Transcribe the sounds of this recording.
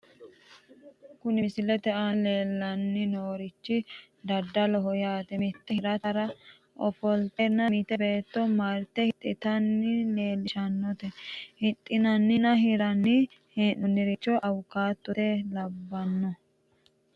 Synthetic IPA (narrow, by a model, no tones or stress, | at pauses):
kʊnɪsɪlɛt̪ɛʔale̞ːlːɐnːɪnoːɾɪt͡ʃːɪ | d̪ɐd̪ːɐlɔɦɔjaːt̪ɛmɪt̪ːɛhɪɾɐt̪ɐɾɐ | ʔɔfɔlt̪ɛnːɐmit̪ɛbe̞ːt̪ːɔmaɾt̪ːɛhɪt̪ʼːɪt̪ɐnːɪle̞ːlɪʃɐnːɔt̪ɛhɪt̪ʼːɪnɐnːɪnɐɦɪɾɐnːɪ | heːnːʊnːɪɾɪt͡ʃːɔʔɐwʊkːaːt̪ːɔtɛlɐbːɐnːɔ